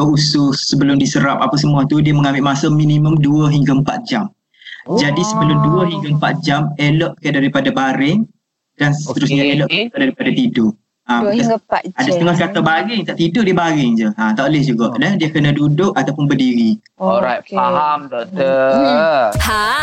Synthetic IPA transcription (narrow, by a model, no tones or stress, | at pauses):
əusʊssəbəlʊmdisəɾap̚apas̬əmuat̪udiəmə̃ŋambɪʔmasəminiməmduəɦiŋɡaəmpat̪̚d͡ʒam | d͡ʒadisəbəlʊmduəɦiŋɡaəmpat̪̚d͡ʒamelɔʔkəʔdaɾipadabaɾɪŋ | d̥ansət̪əɾʊsɲaelɔʔadaɾipadat̪idʊ | ambkaadasət̪əŋahɡat̪abaɾɪŋt̪aʔt̪idʊʔdiəbaɾɪŋd͡ʒəat̪aʔlɪhd͡ʒuɡaʔdəhdiakənədudʊʔat̪awpʊnbərdiɾi | ɔɾatahamtə